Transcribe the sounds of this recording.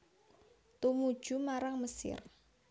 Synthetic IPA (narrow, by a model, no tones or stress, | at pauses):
t̪umud̥ʒ̥ṳmaɾaŋməsɪ̰r